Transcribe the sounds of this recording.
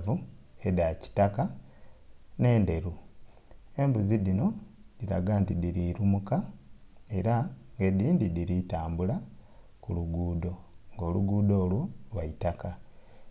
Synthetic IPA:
vuedaci̥taka | ne̞ːnde̞ɾu | e̞mbuzidino̞diɾa̰ɡantidiɾiɾumuka | e̞ɾaŋɡediːndidiɾitaːmbula | kuluɡuːdo̞ŋɡo̞ːluɡuːdo̞ːlwulwaitaka

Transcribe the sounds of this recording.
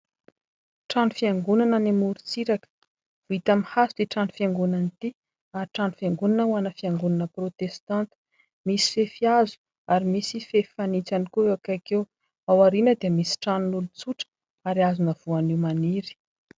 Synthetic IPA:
ʈ͡ʂanufiaŋɡunanənimuɾut͡siɾakə̥ | vuit̪amihasud̪iʈ͡ʂanu̥fiaŋɡunanit̪i | aɾʈ͡ʂanufaŋɡunanəuanəfiaŋɡunanəprot̪est̪ãnt̪i̥ | misi̥fefiazu̥ | aɾimisifefanit͡sanikuewakakew | awaɾinəd̪iəmisi̥ʈ͡ʂanunulut͡suʈ͡ʂə̥ | aɾiazunəv̥uaniwmaniɾi̥

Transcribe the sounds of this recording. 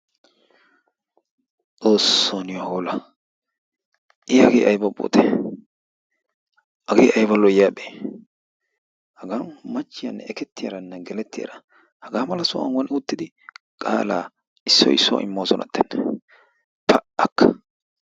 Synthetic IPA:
t͡sʼoːsːonɪwahoːlɐ | ʔɪɐɡeːʔɐjbɐbo̰ːt̪e | hɐɡeːʔɐjbɐlːɔɪjːaːɓeː | hɐɡaːmɐt͡ʃːɪjɐnːɛɛkɛt̪ːɪjɐ̰ɾɐnːɛɡɛlɛt̪ːɪjɐ̰ːɾɐ | hɐɡaːmɐlɐsʊɐ̰ŋwɔnʊt̪ːɪd̪ɪ | kʼa̰ːla̰ː | ɪsːɔ̰ɪ̰sːɔ̰ʔɪ̰mːoːsɔnɐ̰t̪ːɛnː | pʰɐʔɐkːɐ̥

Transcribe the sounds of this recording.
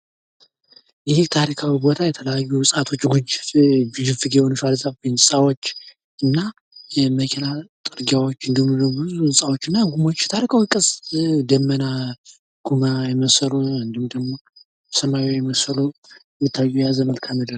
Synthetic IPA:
jɪht̪ʰaɾikʰawibo̞t̪ʰajɛt̪ʰələjajːuwʊsʼat̪ʰo̞t͡ʃːɡud͡ʒɡud͡ʒɪfɨɡewonɨʃalzʼabɨnsʼawot͡ʃː | ɨnːa | jɛməkʰenat̪ʼɨɾɡawo̞t͡ʃːɨnd̪ɨmɨnːobuzuɨsʼawo̞t͡ʃːɨnːaɡumo̞t͡ʃːt̪ʰaɾikʰawikʼəsd̪əmːəna | ɡ̥umajɛməsəɾoɨnd̪ɨhmd̪əɡmo̞ | səmajojɛməsəlojɛmːɨt̪ʰːajːuɛjazəməlkʰamid̪əl

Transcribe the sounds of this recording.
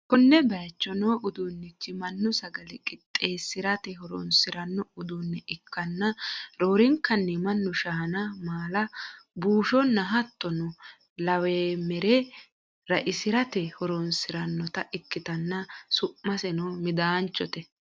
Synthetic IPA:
kɔnːɛbɐjt͡ʃːɔnoːʔʊd̪unːɪt͡ʃːɪmɐnːʊsɐɡɐlɛkʼɪt̪ʼːeːsɪɾɐt̪ɛɦɔɾɔ̰nsɪɾɐnːɔʊd̪uːnːɛʔɪkːɐnːɐɾoːɾɪŋkːɐnːɛmɐnːʊʃɐɦɐnɐmaːlɐbuːʃɔnːɐɦɐt̪ʼːɔnɔ | lɐweːmɛɾɛ | ɾɐʔɪsɪɾɐt̪ɛhɔɾɔnsɪɾɐnːɔt̪ɐʔɪkːɪt̪ɐnːɐsʊʔmːɐsɛnoːmɪd̪aːnt͡ʃːɔt̪ɛ

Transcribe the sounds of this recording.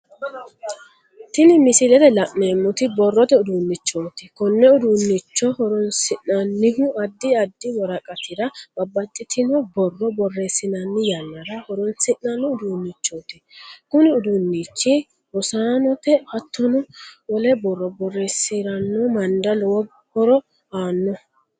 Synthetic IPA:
t̪ɪnɪmɪsɪlɛt̪ɛlɐʔmeːmːʊt̪ɪbɔrːɔt̪ɛʊd̪ʊnːɪt͡ʃːoːt̪ɪkɔnːɛʊd̪ʊnːɪt͡ʃːɔhɔɾɔnsɪʔɐnːɪɦʊɐd̪ːɪɐd̪ːɪwɔɾɐkʼɐt̪ʰɪɾɐbɐbːɐt͡ʃʼːɪt̪ʰɪnɔbɔrːɔbɔrːeːsːɪnɐnːɪjɐnːɐɾɐhɔɾɔnsɪʔːɐnːɔʊd̪unːɪt͡ʃːoːt̪ɛkʊnɪʊd̪ʊnːit͡ʃːɪ | ɔsaːnɔt̪ɛhɐt̪ːɔnɔwɔlɛbɔrːɔbɔrːeːsɪɾɐnːɔmɐnd̪ɐlɔwɔɡ | hɔɾɔ | aːnːɔ

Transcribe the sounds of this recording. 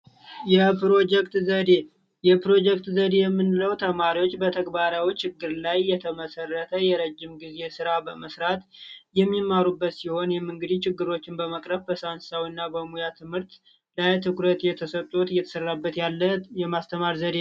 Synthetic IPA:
jɛpɾod͡ʒɛkt̪d̪e | jɛpɾo̞d͡ʒɛk̚t̪zəd̪e̞jɛmːɨnɨləwt̪ʰəmaɾiwo̞t͡ʃːbət̪ʰəɡbaɾawit͡ʃɪɡːɨɾlajːɛt̪ʰəməsərːət̪ʰəjɛɾəd͡ʒːɪmɡize̞sɨɾabəməsɾat̪jɛmːimːaɾubːət̪siho̞njɛmːɨŋɡɨd̪it͡ʃɪɡːɨɾo̞t͡ʃːɪnbəməkʼɾəfbəsansawinːabəmujat̪ʰɨmhɨɾt̪ | lajt̪ʰɨkɾət̪jɛt̪ʰəsət̪ʼːut̪jɛt̪ʰəsərːabːət̪jaljɛmast̪ʰəmaɾzəd̪e

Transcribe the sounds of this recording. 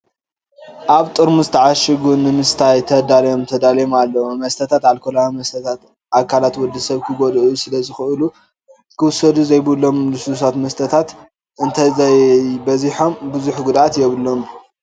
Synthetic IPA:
ʔaβt̪ʼɨɾmuzɨt̪ʰɐʕaʃɨɡunɨmɨst̪ʰajt̪ʰɐd̪alɐjomt̪ʰɐd̪aljomalːɐwmɐst̪ʰɐt̪ʰat̪alkʰolamɐst̪ʰɐt̪ʰat̪ | ʔakʰːalat̪wɔd̪ːɐsɐβkʰɨɡod̪ʔusɨlɐzɨxɨʔɨlu | kʰɨwʊsːɐd̪uzɐjbɨlːo̞mlɨssat̪mɐst̪ʰɐt̪ʰat̪ | ɨnt̪ʰajzajbɐziħo̞mbɨzuħɡud̪at̪jɛβɨlːo̞m

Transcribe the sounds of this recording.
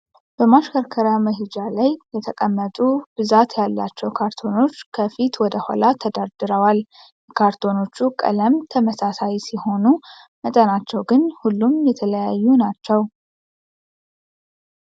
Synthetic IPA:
b̥əmaʃkʰəɾkʰəɾjaməɦɪd͡ʒalajːɛt̪ʰəkʼəmːət̪ʼub̥ɨzat̪jalːa̰t͡ʃːɛwkʰaɾt̪ʰo̞no̞t͡ʃːkʰəfit̪wɔd̪əha̰lat̪ʰəd̪ad̪ɨɾəwal | jɛkʰaɾt̪ʰo̞no̞t͡ʃːukʼə̰ləmt̪ʰəməsasajsiho̞nu | mət̪ʼənat͡ʃːɛwɡɨnhulːumjɛt̪ʰələjajːunat͡ʃːɛw

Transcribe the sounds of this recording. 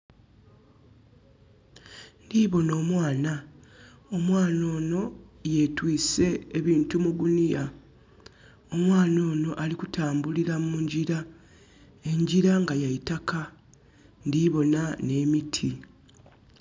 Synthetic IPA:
ndiːβo̞no̞ːmwaːna | omwaːno̞ːno̞je̞twiːse̞ːβiːntumuɡunija | o̞mwaːno̞ːno̞ʔalikutaːmbuliɾammuɲɟiɾa | e̞ɲɟiɾaŋɡajaitaka | ndiβo̞nane̞mitʰi

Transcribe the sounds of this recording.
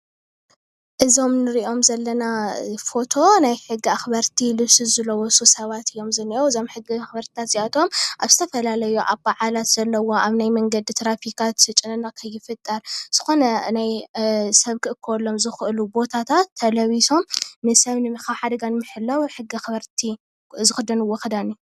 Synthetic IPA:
ʔɨzo̞mnɨɾiʔo̞mzɐlːɐnafo̞t̪ʰo̞najħɨɡːiaxbɐɾt̪ʰilɨβsɨzɨlɐwɔsʼusɐβat̪ɨjːo̞mzɐnːiowɨzo̞mħɨɡiaxbɐɾt̪ʰi̥t̪ʰat̪z̥iʔat̪ʰo̞mʔaβzɨt̪ʰɐfɐlalɐjuʔaβbaʕalat̪z̥ɐlːɐwo̞ʔaβnajmɐŋɡɐd̪it̪ʰɾafikʰat̪ɨt͡ʃʼɨnɨnakʰɐjːɪfɨt̪ʼːɐɾz̥ɨxo̞nɐnajsɐβkʰɨʔɨkʰːɐwɔlːo̞mzɨxʔɨlubo̞t̪ʰat̪ʰat̪ʰːɐlɐβiso̞mnɨsɐβnɨmɨxaħad̪ɐɡanmɨħɨlːɐwħɨɡiaxβɐɾt̪ʰi | zɨxɨd̪ɐnɨwoxɐd̪anu

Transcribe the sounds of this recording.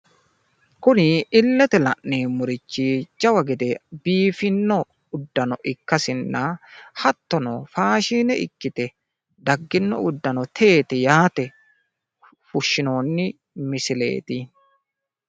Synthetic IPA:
kʊnɪɪlːɛt̪ɛlɐʔneːmʊɾɪt͡ʃːɪd͡ʒɐwɐɡɛd̪ɛbiːfɪnːɔ | ʊd̪ːɐnɔʔɪkːɐsɪnːɐhɐt̪ːɔnɔfaːʃiːnɛɪ̰kːɪt̪ɛ | d̪ɐɡːɪnːɔ̰ʊd̪ːɐnɔt̪ʰe̞ːt̪ɛjaːt̪ɛ | fʊʃːɪno̞ːnːɪ | mɪsɪle̞̰ːt̪ɪ

